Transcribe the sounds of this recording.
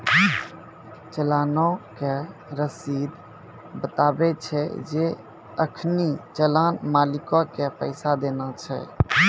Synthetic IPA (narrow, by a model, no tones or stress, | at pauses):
t͡ʃəlanɔke | ɾəsid̪ | bət̪abɛt͡ʃʰɛ̰d͡ʒe | əkʰnit͡ʃəlanmalikɔkepəɪsad̪enat͡ʃʰɛ̰